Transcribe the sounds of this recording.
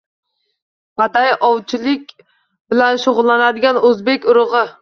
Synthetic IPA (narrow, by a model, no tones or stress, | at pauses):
pat̪ajʔɒwt͡ʃʰɪlɪkʲ | bɪlanʃʊʁʊlˠːanad̪ɪɡʲanɵzbekʲʊɾɨʁɨ